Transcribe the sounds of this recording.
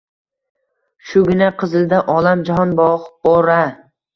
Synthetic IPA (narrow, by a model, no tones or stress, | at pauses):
ʃʊɡʲɪnaqʰɨzɪld̪aʔɒlamd͡ʒaɦɒnbɒʁbɒɾa